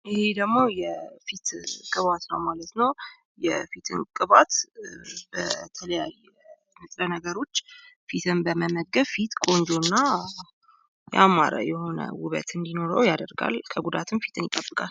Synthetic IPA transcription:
ʔɨhed̪əɡmo̞jɛfit̪kʼɨβat̪nəwmalət̪nəw | jɛfit̪ʰɨ̰nkʼɨβat̪ | bət̪ʰələjaj | mɨt̪ʼlənəɡəɾo̞t͡ʃːfit̪ʰɨnbəməməɡəβfit̪kʼo̞nd͡ʒo̞nːa | jʔa̰ma̰ɾə̰jɛho̞nə̰wʊβə̰t̪ɨnd̪ino̞ɾəwjad̪əɾɡa̰lkʰəɡud̪at̪ʰɨmfi̥t̪ʰɨnjɪk̪ʼːəbːɨkʼal

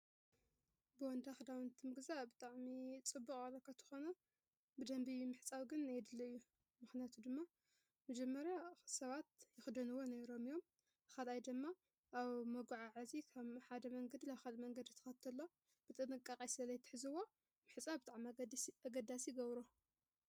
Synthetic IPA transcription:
bɨwɔnd̪axɨd̪awɨnt̪ʰimɨɡzabɨt̪ʼaʕmit͡sʼɨbːukʼalɐkʰat̪ʰɨ̥xo̞nɐ | bɨd̪ɐmbimɨħt͡sʼawɡɨnajɛd̪ɨlːɐɨjːu | mɨxnijat̪ʰud̪ɨmːa | mɐd͡ʒɐmːɐɾjasɐβat̪̚jɪxɨd̪ɐnɨwoneɾo̞mijo̞m | kalajd̪ɨmːa | ʔaβmɐɡuʕaʕazikʰaβħad̪ɐmɐŋɡɐd̪ilaβħad̪ɐmɐŋɡɐd̪it̪ʰɐ̥xɐt̪ʰɐlːo̞ | b̥ɨt̪ʼɨnɨkʼːakʼajsɨlɐlɐjt̪ʰɨ̥ħɨzɨwːo̞ | mɨħɨt͡sʼabɨt̪ʼaʕmiaɡɐd̪asjɪɡɐβɾo

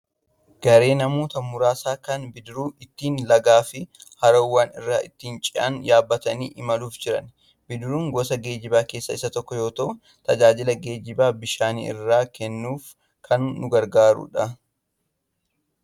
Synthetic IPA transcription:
ɡ̥ɐɾe̞ːnɐmo̞ːt̪ɐmʊɾaːsaːkɐnbɪd̪ɾuːɪt̪ːiːnlɐɡaːfɪ | hɐɾɐwːaːnɪrːaːʔɪt̪ːiːnt͡ʃʼɪʔɐ̰njaːbːɐt̪ɐniːʔɪmɐluːfd͡ʒɪɾɐn | bɪd̪ɾuːŋɡɔsɐɡe̞ːd͡ʒɪbaːke̞ːsːɐɪsːɐt̪ɔkːɔjo̞ːt̪ɐʔʊ | t̪ɐd͡ʒaːd͡ʒɪlɐɡe̞ːd͡ʒɪbaːbɪʃaːnḭːɪ̰rːaːkɛnːuːf | kʰɐnnʊɡɐɾɡaːɾʊ̰ᶑɐ

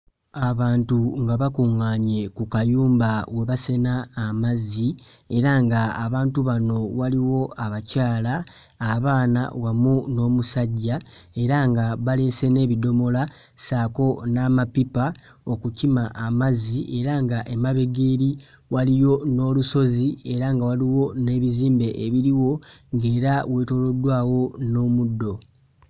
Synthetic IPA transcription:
aβaːntuŋɡaβakuŋaːɲe̞kukajuːmbawe̞βase̞naːmazi | e̞ɾaŋɡaːβaːntuβano̞βaliwo̞aβacaːlaː | βaːna̰wamuno̞ːmusaɟːa | e̞ɾaŋɡaβale̞se̞ne̞ːβido̞mo̞la | saːko̞naːmapipa | o̞kucimaʔːmaziʔe̞ɾaŋɡaʔemaβe̞ɡeːɾi | walijo̞no̞ːluso̞zie̞ɾaŋɡawaliwo̞ne̞ːβiziːmbe̞ʔeβiɾiwo̞ŋɡe̞ːɾawe̞ːto̞lo̞dwaːwo̞no̞ːmudːo̞

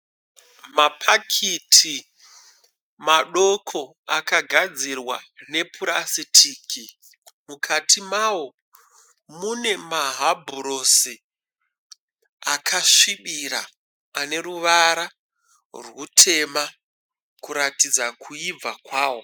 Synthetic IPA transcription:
mapʰakʰitʰi | maɗo̞kʰo | akaɡʱad͡zirwa̰ne̞pʰuɾasitʰiːkʰi | mukʰatʰimawo̞ | mune̞maɦabʱuɾosi | akʰaʂiɓiɾa̰ː | ne̞ɾuʋaɾa | rwutʰe̞ma | kuɾatid͡zakʰuib͡vakwaːwo̞

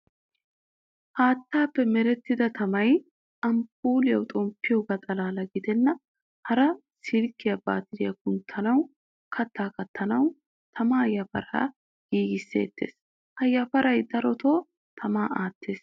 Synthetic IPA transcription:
haːt̪ːaːpːɛmɛɾɛt̪ːɪd̪ɐt̪ʰɐmɐj | ɐmpuːlɪjɐwt̪ʼɔmpːɪjoɡɐt̪ʼɐlaːlɐɡɪd̪ɛnːɐ | hɐɾɐ | sɪlkːɪjɐba̰ːt̪ɪd̪ɪjɐkʊnt̪ʰːɐnɐw | kʰɐt̪ːaːkɐt̪ʰːɐnɐw | t̪ʰɐmaːjɐfɐ̰ɾa̰ː | ɡ̥iːɡɪsːe̞̰ːt̪ʰːe̞̰ːs | hɐjɐpɐɾɐjd̪ɐɾɔt̪o̞ː | t̪ʰɐmaːaːt̪ːe̞ːs

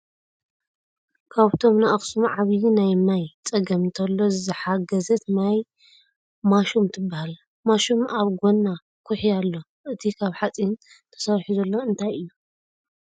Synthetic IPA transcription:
kʰaβt̪ʰo̞mnaʔxsumʕaβjinajmajt͡sʼɐɡɐmt̪ʰɐlːo̞zɨħaɡɐzɐt̪naj | maʃumt̪ʰɨbːahal | maʃumaβɡo̞nːa | kʰuħialːo̞ | ʔɨt̪ʰikʰaβħat͡sʼin | t̪ʰɐ̥saɾħuzɐlːo̞ɨnt̪ʰajɨjːu

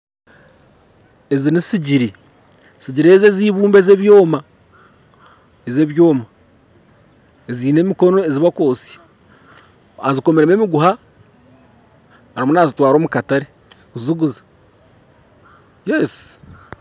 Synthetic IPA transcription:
ezinisiɟiɾi | siɟiɾeːzeziːβuːmbezeβjo̞ːma | ezeːβjoːma | eziːnemiko̞no̞eziβako̞ːsi̥ | azikomeɾememiɡuɦa | aɾimunazitwaːɾo̞ːmukataɾe | kuziɡuzḁ | jes

